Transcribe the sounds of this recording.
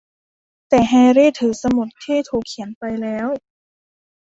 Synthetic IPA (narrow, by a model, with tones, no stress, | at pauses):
t̪ɛː˨˩ɦɛː˧ɾiː˥˩t̪ʰɯː˩˦sa˧mo˨˩t̪̚ʰːiː˥˩t̪ʰuː˨˩kʰːi˩˦npa˧jlɛː˦˥w